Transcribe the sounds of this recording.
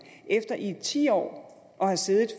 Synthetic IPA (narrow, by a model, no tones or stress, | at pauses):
ʔefd̥ɐʔit͡sʰḭːɒ̰ː | ʔɒ̽hæse̝ːðˠð̩ˠf